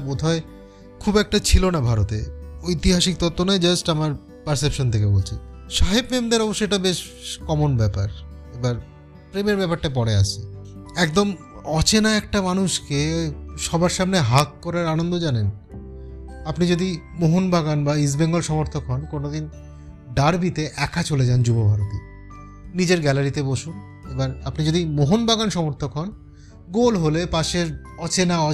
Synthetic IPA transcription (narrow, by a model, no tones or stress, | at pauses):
bod̪ʱae | kʰubɛk̚ʈat͡ɕʰilonabʱaɾot̪eojt̪iɦaʃik̚t̪ɔt̪ːonaed͡ʑɐsʈamaɾ | pɐɾsepʃont̪ʰekebolt͡ɕʰenʃaɦibmemd̪eɾɔboʃːoeʈabeʃ | kɔmonbɛpaɾ | ebaɾ | pɾemeɾbɛpaɾʈap̬ɔɽea̰t͡ɕʰeɛkd̪om | ɔt͡ɕenaɛk̚ʈamanuʃkeʃɔbaɾʃamneɦakːɔɾaɾanond̪od͡ʑanen | apnid͡ʑod̪imoɦonbaɡanbais̬beŋɡolʃɔmoɾt̪ʰokɦɔnkonod̪in | ɖaɾbʱit̪eʔɛkʰat͡ɕoled͡ʑand͡ʑubobʱaɾot̪i | nid͡ʑeɾɡɛlaɾit̪eboʃun | ebaɾapnid͡ʑod̪imoɦonbaɡanʃɔmoɾt̪ʰokɦɔn | ɡolɦolepaʃeɾ | ɔt͡ɕenaɔ